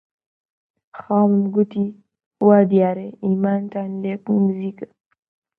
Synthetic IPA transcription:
xaːmmɡut̪i | wad̪jaːɾeimaːnt̪anlekmzikə

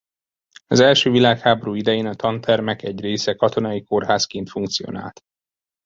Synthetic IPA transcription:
ɒzɛlʃøːvilaːkhaːbo̞ɾuːid̪ɛjeːnɒt̪ɒnt̪ʰɛrmɛkɛɟreːsɛkɒt̪o̞nɒjiko̞rɦaːskeːnt̪fuŋkt̪sijo̰na̰ːlt̪

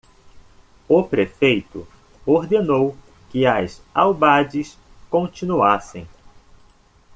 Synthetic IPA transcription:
ʊpɾefejt̪ʊ̰ | oɾd̪enow | kɪɐzawbad͡ʒɪs | kõt͡ʃĩnuasẽj̃

